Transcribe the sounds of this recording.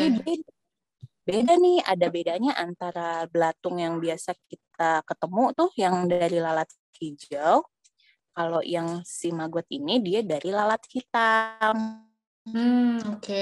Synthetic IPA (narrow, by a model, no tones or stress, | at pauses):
ibea | bedanɪha̰dabedaɲaʔant̪aɾablat̪ʊŋjaŋbiasak̚it̪̚akət̪əmut̪ʊhjaŋdaɾilalat̪̚ | hid͡ʒəw | kalojaŋsimaɡat̪̚inidiadaɾilalat̪̚hit̪aŋ̩ | oke